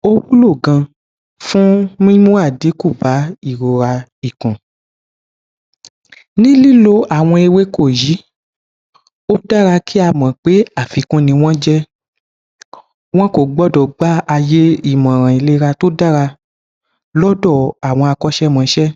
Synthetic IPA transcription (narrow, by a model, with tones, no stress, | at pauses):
o˦wu˦lo˦˨ɡã˧ | fũ˦mĩ˦mũ˦a˦˨di˨˦ku˦˨ba˨˦i˦˨ɾo˨ɾa˧ | i˨kũ˨ | nĩ˦li˦lo˧ʔa˨w̃ɔ̃˧e˧we˨˦ko˦˨ji˨˦ | o˦da˦ɾa˧kʰi˦a˧mã˨k͡pe˨˦a˦˨fi˨˧kũ˦nĩ˧w̃ɔ̃˦d͡ʒɛ˦ | w̃ɔ̃˦ko˦˨ɡ͡bɔ˦dɔ˨ɡ͡ba˦a˧je˦i˦˨mã˨ɾ̃ã˨i˨le˦ɾa˧to˦da˦ɾa˧ | lɔ˦dɔ˦˨a˨w̃ɔ̃˧a˧kɔ˦ʃɛ˦mã˨˧ʃɛ˦